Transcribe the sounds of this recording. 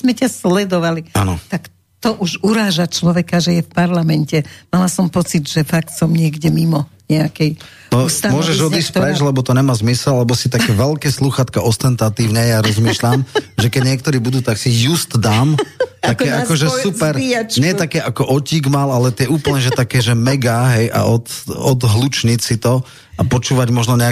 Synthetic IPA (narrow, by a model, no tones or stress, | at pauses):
zmɛcaslɛd̪ɔʋalia̰nɔt̪ak | t̪ɔʔuʒuɾaːʒat͡ʃlɔʋɛkaʒɛjɛfpaɾlamɛncɛmalasɔmpɔt͡sid̪ʒɛfak̚t̪sɔmɲɪɛɡɟɛmimɔɲɛakɛj | nɔst̪amʊɔʒɛʒɔd̪iscpɾɛd͡ʒlɛbɔt̪ɔɲɛmaːzmisɛllɛbɔsit̪akɛʋɛlkɛsluxat̪kaɔst̪ɛnt̪at̪iːʊɲɛjaɾɔzmiːʃlamʒɛkɛɟɲɪɛk̚t̪ɔɾiːbud̪uːt̪aksijust̪d̪aːmt̪akɛːakɔʒɛsupɛɾt͡ʃɲɛɛt̪akɛːʔakɔʔɔciːɡmalalɛt̪ɪɛuːpl̩ɲɛʒɛt̪akɛːʒɛmɛɡaɦɛjʔa̰ʔɔt̪ɔd̪ɦlut͡ʃɲisit̪ɔ | apɔt͡ʃuːʋaɟmɔʒnɔɲɛa